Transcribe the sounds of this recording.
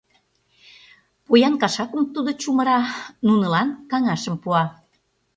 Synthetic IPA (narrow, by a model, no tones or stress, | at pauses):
pujɑnkɑʃɑkumt̪ud̪ot͡ɕumə̆ɾɑnunə̆lɑnkɑŋɑʃə̆mpuɑ